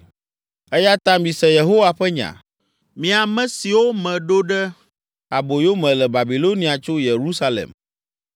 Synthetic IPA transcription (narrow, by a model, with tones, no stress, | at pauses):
ɛ˦ja˦t̪ã˦mĩ˨sɛ̃˨je˨ɦo˦wa˨ɸɛ˦ɲã̰˨ | mĩ˨a˨mɛ̃˨si˨wo˦mɛ̃˨ɖo˦ɖɛ˦ | a˨bo˨jo˦mɛ̃˨lɛ˨ba˨bi˨lo˦nĩ˨a˨t͡ʃo˦je˨ɾu˦sa˦lḛ˨m